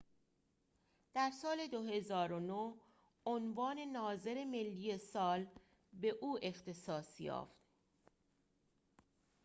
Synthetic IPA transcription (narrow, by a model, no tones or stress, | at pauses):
d̪̥æɾsɒːle̞d̪oɦe̞zɒːɾonoh | onvɒːne̞nɒːze̞ɾe̞me̞lːije̞sɒːl | be̞ʔuːe̞xt̪ʰe̞sɒːsjɒ̰ːft̪